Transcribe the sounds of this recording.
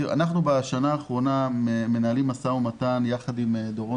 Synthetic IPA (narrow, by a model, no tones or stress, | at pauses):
a̰naχnubeʃanaːχʁo̞name̞naalimasaumatanjaχad̪imed̪oʁo